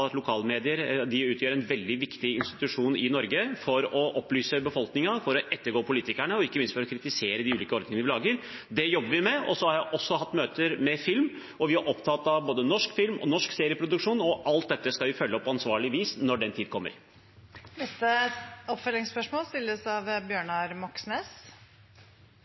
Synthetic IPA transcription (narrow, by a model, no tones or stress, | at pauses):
ɑt̪lʊkʰɑːlmeːd̪ɪəɾd̪ɪʉːt̪ʰjøːɾɛnʋɛld̪ɪʋɪkt̪ɪɪnst̪ɪ̥t̪ʉʂuːnɪnɔɾɡəfɔɾɔʔɔpːlyːsəbəfɔlknɪŋɑfɔɾɔʔɛt̪ːəɾɡoːpʰʊliːt̪ɪkæɳəɔɪkːəmɪnst̪fɔɾɔkʰɾɪt̪ɪseːɾəd̪ɪʉːliːkəɔɾd̪ɪŋənəʋɪlɑːɡəɾd̪ɛjɔbːəɾʋɪmɛʔɔsɔhɑɾjæɪʔɔsːɔɦɑt̪ːmøːt̪əɾmɛfɪlm | ɔʋɪhæɾʔɔpt̪ʰɑt̪ːɑboːd̪ənɔʂkfɪlmɔ̰nɔʂkseːɾɪəpʰɾʊd̪ʉkʂuːnɔʔɑlt̪̚d̪ɛt̪ːəskɑʋɪfœlːəpʰɔɑnsʋɑːɭɪʋiːsnɔɖɛnt̪ʰiːd̪̚kʰɔmːə̰ɾ | nɛst̪əɔpfœlɪŋspœʂmoːlst̪ɪlːəɾɔsɑʋbjøːɳɑɾmɔksneːs